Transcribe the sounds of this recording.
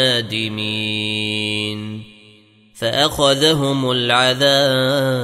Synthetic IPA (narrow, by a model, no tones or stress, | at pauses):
aːd̪ɪmi | n | faʔaxaðaɦʊmalʕaðaː